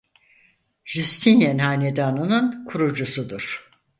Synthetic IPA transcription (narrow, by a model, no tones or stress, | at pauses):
ʒyst̪ʰinjɛnhaːned̪aːnɯnɯnkʰuɾud͡ʒusud̪uɾ̥